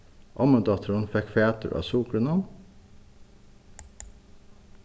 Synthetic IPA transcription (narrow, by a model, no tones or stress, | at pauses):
ʔɑ̰məd̪ɑt̪ʰəɾɑnfɛkfeːt̪ə̰ʔɑ̰ːsuːkɾənɑn